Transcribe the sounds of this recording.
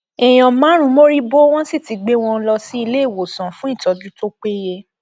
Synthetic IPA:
ɛ˨j̃ɔ̃˨mãː˨˦ɾ̃ũ˧˦mo˦ɾi˦bo˦w̃ɔ̃˦si˦˨ti˨˦ɡ͡be˦w̃ɔ̃˧n̩˦lɔ˧si˦i˧le˦˨wo˨sã˨fũ˨˦i˦˨tɔ˨d͡ʒu˦to˦k͡pe˦je˧

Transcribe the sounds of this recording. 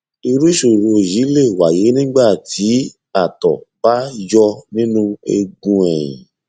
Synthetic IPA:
i˧ɾu˦ʃo˨ɾo˧˨ji˨˦le˦˨wa˨je˨˦nĩ˦ɡ͡ba˦˨tʰi˨˦ | a˦˨tɔ̰˨ba˦jɔ˧nĩ˦nũ˦ḛ˧ɡũ˧ɛ˨jḭ̃˨

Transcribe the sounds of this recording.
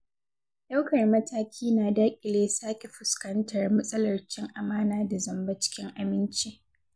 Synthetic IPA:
ja˦wkɐ˨rmɐ˦tʰaː˦kʲʰiː˦naː˨daː˦kʲʼɪ˨leː˦saː˦kʲe˨ɸʊ˨skɐ˦ntɐ˨rmɐ˦sʼɐ˦lɐ˨rt͡ʃɪ˦ŋʔa˨maː˦naː˦da˨zɐ˨mba˦t͡ʃɪ̥˦kʲɪ˦ŋʔa˨mɪ˦nt͡ʃi˦

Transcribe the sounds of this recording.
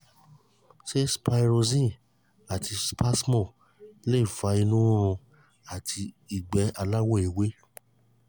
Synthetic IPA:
ʃe˦spa˧jɾo˧zĩ˦˨ | a˨ti˧spa˦smɔ̃˦˨ | le˦i˦˨fa˨˦i˧nũ˦ũ˧ | a˦˨tʰi˧ | i˨ɡ͡bɛ˨˦a˧la˦wɔ˦˨e˨we˦

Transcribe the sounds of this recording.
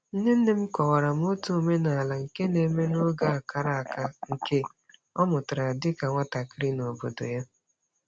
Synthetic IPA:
n̩˦ne˦n̩˦ne˦m̩˦kɔ˨wa˨ɾa˨m̩˦o˦tu˦˨me˦na˨a˨la˨ŋ̩˨ke˦ne˨˦me˦nʊ˦ɡa˦a˨ka˨ɾa˦a˨ka˦ŋ̩˨ke˦ | ɔ˦mʊ˨tʊ˨ɾa˨dɪ˦ka˨ŋʷa˦ta˨kɪ˦ɾɪ˦no˨bo˨do̰˨ja˦

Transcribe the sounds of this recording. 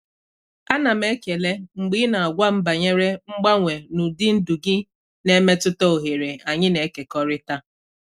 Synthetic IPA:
a˦na˨me˦ke˨le˦ŋ͡m̩˨ɡ͡bi˦na˨a˨ɡʷa˦m̩˦ba˨ɲe˦ɾe˦ŋ͡m̩˦ɡ͡ba˦ŋʷe˨nu˨dɪ˦n̩˦du˨ɡɪ˦ | ne˦me˦tʊ˦tɔ˦o˨ɦe˨ɾe˨a˨ɲɪ˦ne˨˦ke˨kɔ˦ɾɪ˦ta˦

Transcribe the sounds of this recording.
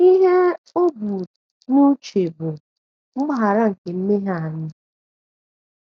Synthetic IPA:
i˦ɦe˦o˦bu˨ | nu˦t͡ʃe˨bʊ˨ | m̩˦m˦ɦa˨ɾa˦ŋ̩˨ke˨m̩˦me˦ɦa˦˨a˨ɲɪ˦

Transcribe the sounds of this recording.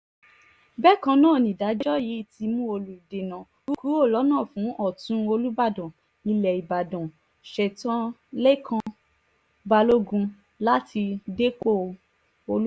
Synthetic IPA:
bɛ˦˨kã˧nãː˦˨nĩ˨da˨˦d͡ʒd͡ʒɔ˦ji˨˦i˨ti˧mũ˦o˧lu˨de˨nã˨ | u˦ku˨˦o˦˨lɔ˨˦nã˦˨fũ˨˦ɔ˦˨tũ˨˦o˧lu˦ba˦˨dɔ̃˨ | ĩ˧lɛ˨i˨ba˨dɔ̃˨ | ʃɛ˨tã˦le˦kʰã˧ | ba˧lo˦ɡũ˧ | la˦ti˧de˦k͡po˦˨ | o˧˦

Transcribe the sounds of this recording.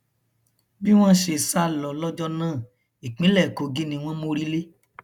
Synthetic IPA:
bi˦w̃ɔ̃˦ʃe˧sa˦lɔ˨lɔ˦d͡ʒɔ˦nãː˦˨ | i˨k͡pĩ˨˦lɛ˦˨ko˨˦ɡi˦nĩ˧w̃ɔ̃˦mo˧ɾi˦le˦

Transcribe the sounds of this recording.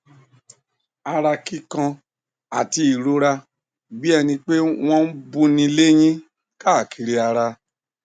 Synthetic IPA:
a˧ɾa˧ki˦kã˧ | a˨ti˧i˨ɾo˧ɾa˧ | bi˦ɛ˧nĩ˧k͡pe˦w̃ɔ̃˦n̩˦bũ˦nĩ˧˦le˦j̃ĩ˦ | ka˦˨ki˧ɾe˧a˧ɾa˧

